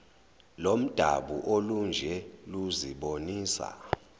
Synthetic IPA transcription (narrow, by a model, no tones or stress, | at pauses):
lom̩d̥ʱaɓuʔolund͡ʒʱɛluziɓoniːsa̰